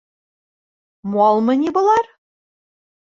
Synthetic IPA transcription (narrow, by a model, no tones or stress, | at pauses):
muɑlˠmɤ̆nʲibɤ̆lˠɑr